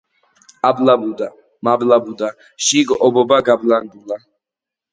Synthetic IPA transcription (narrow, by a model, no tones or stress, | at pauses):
ablabud̪a | mablabud̪a | ʃiɡʔɔbɔbaɡabland̪ula